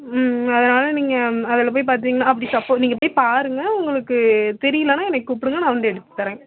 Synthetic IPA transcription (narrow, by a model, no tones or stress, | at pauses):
mɐðɐnaːlɐniːŋɡɐɐðɐlɐp̬oːjpaːɾt̪̬iːŋɡɐnːaːɐpːɐɽisɐpːoːniːŋɡɐpoːjpaːɾɯŋɡɐʊŋɡɐɭɯkːɯt̪ɛɾɪjɐlɐnaːɛnːɐkːɪkːuːpːɪɽɯŋɡɐnãːʋɐnd̪ɯɛɽɯt̪ːɯ̥t̪ːɐɾẽː